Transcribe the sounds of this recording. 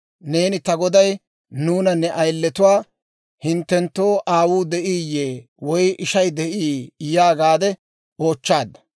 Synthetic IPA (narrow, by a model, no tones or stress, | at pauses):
ne̞ːnɪt̪ɐɡɔd̪ɐj | nuːnɐnːɛʔɐjlːɛt̪ʊwaː | hɪnt̪ːɛnt̪ːo̞ːʔaːwuːd̪ɛʔiːjːeː | wɔjʔɪʃɐjd̪ɛʔiːjaːɡaːd̪ɛ | o̞ːt͡ʃːaːd̪ːɐ̥